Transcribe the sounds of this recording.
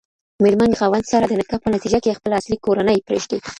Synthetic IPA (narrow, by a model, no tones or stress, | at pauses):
meɾmanɣawand̪sɑɾad̪ənɪkɑpənat̪id͡ʒakejexpəlaslikoɾanəjpɾeʒd̪e